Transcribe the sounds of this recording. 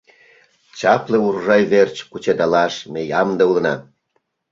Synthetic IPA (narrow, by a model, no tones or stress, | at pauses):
t͡ɕɑpleurʒɑjβert͡ɕkut͡ɕed̪ɑlɑʃmejɑmd̪eulə̆nɑ̰